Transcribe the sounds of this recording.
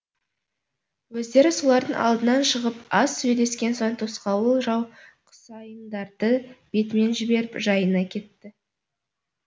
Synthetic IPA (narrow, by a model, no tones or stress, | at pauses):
wɵzd̪e̞ɾɪsolˠɑɾd̪əŋɑ̰lˠd̪ənɑnʃəʁəpɑsːɵjle̞skʲe̞nsojnt̪ʰosqɑwəʒɑwqʰə̥sɑjənd̪ɑɾd̪əb̥e̞t̪ɪme̞nʒɪbe̞ɾɪpʒɑjənɑkʲʰe̞t̪ːɪ